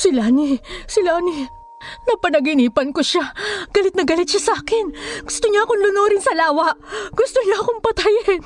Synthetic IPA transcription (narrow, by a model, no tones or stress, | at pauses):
sɪlaːnisɪlaːni | nɐpɐnɐɡɪniːpɐnkoʃaɡ̥ɐlɪt̪̚nɐɡɐlɪt̪̚ʃasɐʔaːkɪnɡʊst̪oɲakonlʊnoːɾɪnsɐlaːwɐʔɡ̥ʊst̪oɲaɐkoŋpɐt̪ajɛ